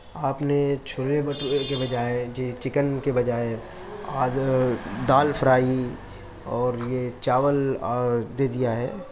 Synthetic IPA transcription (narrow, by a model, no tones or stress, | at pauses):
aːpnet͡ʃʰʊɾebəʈekebɐd͡ʒaːed͡ʒet͡ʃɪkənkebɐd͡ʒaːe | aː | d̪aːlpʰəɾaːi | ɔːɾjet͡ʃaːʋəl | d̪eːd̪ijaɦɛː